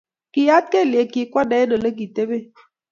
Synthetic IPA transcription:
ki˨ja˦t̚ke˦˨lje˨ki˨kwɔ˦dɛ˨˦no˨lə˦k̬i˨te˦be˦˨

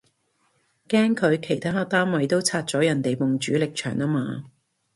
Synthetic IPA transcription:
kɛː˥ŋkʰɵ˨˧ɥkʰe˨˩jt̪ʰaː˥˨˧t̪aː˥mwɐ˨˧jt̪o˥wt͡sʰaː˧t̚t͡sɔː˨˥jɐ˨˩nt̪e˨jpʊ˨ŋt͡ʃyː˨˥lɪ˨k̚t͡ʃʰœ̰ː˨˩ŋaː˥maː˧

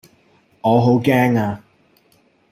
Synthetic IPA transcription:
ŋɔː˨˧ɦo˨˥wkɛː˥ŋaː˧

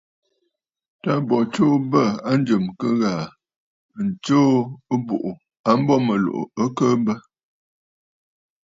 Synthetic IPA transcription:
ta˦bɔ˨t͡ʃo˦bə˦˨a˦n̩˦d͡ʒə˨mkə˦ɣaː˨ | n̩˨t͡ʃo˦ə˦bṵ˨ʔu˨ | a˦m̩˦bɔ˦mə˨lo̰˨ʔo̰˨ə˦kə˦bə˦

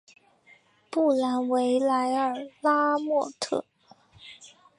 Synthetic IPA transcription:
pu˥˩la˧˥nwe˧˥ɪla˧˥ɪə˞˨˩la˥mwɔ˥˧t̪ʰɤ̰˥˩

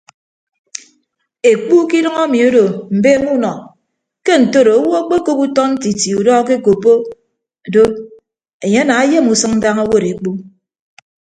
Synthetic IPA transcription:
e˨k͡pu˦ki˦dʌ˦ŋo˦mi˨o˦do˨m̩˨beː˦mu˦nɔ˨ | ke˦n̩˨to˦ɾo˨o˦wo˦a˦k͡pe˦ko˦pu˦tɔ˦n̩˦ti˨ti˨u˨dɔ˦ke˦ko˨pːo˦˨ | do˦ | e˨ɲe˦na˨a˦je˦˨mu˨sɨ˦ŋ̩˦da˦ŋo˦wo˦ɾe˨k͡pu˦

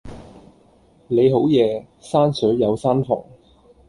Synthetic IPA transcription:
le˨˧jɦo˨˥wjɛː˨˧ | saː˥nsœː˨˥jɐ˨˧wsaː˥nfɔ̰ː˨˩ŋ

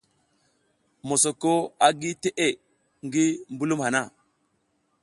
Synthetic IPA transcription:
mo˨so˨ko˦a˨ɡi˦te˦ʔe˦ | ŋɡi˦mbu˦lu˦mha˨na˦˨

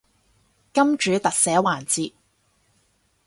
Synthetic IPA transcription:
kɐ˥mt͡ʃyː˨˥t̪ɐ˨k̚sɛː˨˥waː˨˩nt͡siː˧t̚

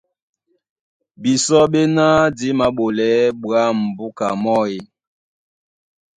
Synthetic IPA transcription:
bi˨sɔ˦ɓe˦na˦di˨˦ma˨˦ɓo˨lɛ˨˦ɓwa˦˨m̩˨bu˦ka̰˨mɔ˦e˨

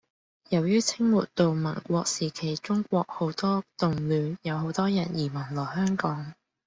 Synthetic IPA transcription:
jɐ˨˩wjyː˥t͡sʰɪ˥ŋmṵː˨˩t̚t̪o˨wmɐ˨˩nkʷɔː˧k̚siː˨˩kʰe˨˩jt͡sʊ˥ŋkʷɔː˧k̚ho˨˥wt̪ɔː˥t̪ʊ˨ŋlyː˨˧njɐ˨˧wɦo˨˧˥wt̪ɔː˥jɐ˨˩njiː˨˩mɐ˨˩nlɔː˨˩ɦœː˥ŋkɔː˨˥ŋ

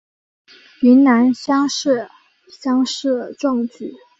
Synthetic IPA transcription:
y˧˥nna˧˥nɕjɑ˥ŋʂɻ̩˥˩ | ɕjɑ˥ŋʂɻ̩˥˩d̪ə˩ʈ͡ʂʊ˥˧ŋt͡ɕy˨˩˦

